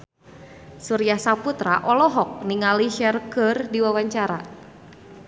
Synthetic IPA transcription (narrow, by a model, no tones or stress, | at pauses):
suɾiahsaput̪ɾaʔɔlɔɦɔk̚niŋaliʃɛrkɨrdiwawaɲt͡ʃaɾa̰